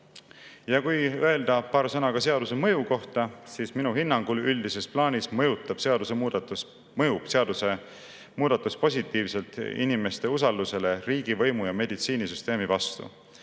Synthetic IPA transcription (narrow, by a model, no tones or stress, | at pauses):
jɑkujøe̞ld̪̥ɑpɑːɾsɤnɑɡ̥ɑse̞ɑd̪use̞mɤjuko̞ht̪ɑsiːsminuɦinːɑŋɡ̥ulylʲd̪ise̞splɑːnʲismɤjut̪ːˑɑb̥se̞ɑd̪usemud̪ | mɤjuseɑd̪use | muːd̪̥ɑt̪ːˑuspo̞sʲit̪ːˑiːvse̞lt̪ḭnime̞st̪e̞usɑld̪use̞le̞riːɡ̥ivɤ̞jmujɑme̞d̪it̪siːnisyst̪e̞ːmivɑst̪ṵ